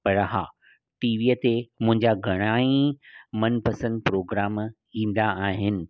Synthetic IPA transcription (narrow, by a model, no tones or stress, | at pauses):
pɐɾɦa̰ː | ʈiːʋiːət̪emʊ̃ɦɪ̃ɲd͡ʑaɡʱɐɽ̃aːĩmɐnpɐsə̃nd̪̚pɾoːɡɾaːm | ĩːn̆d̪aːɦɪnɪ̆